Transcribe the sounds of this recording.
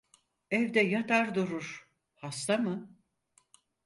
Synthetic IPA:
ɛvd̪ɛjat̪ʰaɾd̪uɾuɾ̥ | hast̪amɯ

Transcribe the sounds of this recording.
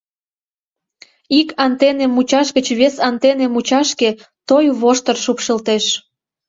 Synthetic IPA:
ikɑnt̪enemut͡ɕɑʃɡət͡ɕβesɑnt̪enemut͡ɕɑʃket̪ojβoʃt̪ərʃupʃə̆lt̪eʃ

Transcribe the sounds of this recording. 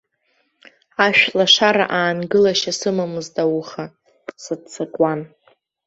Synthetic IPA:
aʃᶣlaʂaɾa̰ʔaːnɡɨlaʃasɨmamɨzdawuχa | sɨdt͡sʰakʷʼan

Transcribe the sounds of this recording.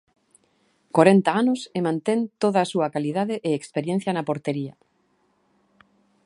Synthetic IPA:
koɾent̪aanʊsemãnt̪ent̪oðaːsuakalið̞aðeʔeekspeɾjẽn̟θjanapoɾt̪eɾiɐ̰

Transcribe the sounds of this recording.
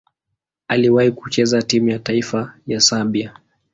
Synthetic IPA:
aliwahiku̥t͡ʃɛzatimujataifajasabia

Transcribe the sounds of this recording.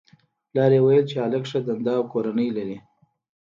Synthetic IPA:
lɑɾewajəlt͡ʃealəkʂad̪and̪ɑwkoɾanəjlaɾi

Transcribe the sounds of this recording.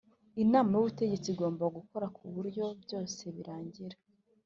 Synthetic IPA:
inaːmajuβute̞ɟe̞t͡siɡo̞ːmbaɡuko̞ɾakʰuβuɾɟo̞bjo̞ːse̞βiɾaːɲɟiɾa

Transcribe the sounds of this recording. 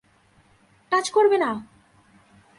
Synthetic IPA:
kat͡ɕkoɾbena

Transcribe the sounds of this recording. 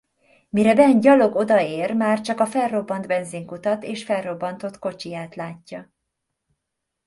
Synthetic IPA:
miɾɛbɛnɟɒlo̞ɡo̞d̪ɒeːrmaːrt͡ʃɒkɒfɛlro̞bːɒnd̪bɛnziŋkut̪ɒt̪eːʃfɛlro̞bːɒnt̪o̞t̪ko̞t͡ʃijaːt̪laːcːɒ

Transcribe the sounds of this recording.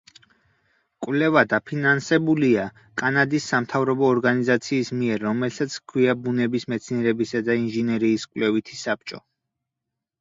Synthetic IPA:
kʼwlɛvad̪apʰinansɛbulia | kʼanad̪isːamt̪ʰavɾɔbɔːɾɡanizat̪sʰiːsmiɛɾːɔmɛlsʰat̪sʰkʰwiabunɛbismɛt̪sʰniɛɾɛbisad̪ainʒinɛɾiːskʼwlɛvit̪ʰisap̚t͡ʃʼɔ

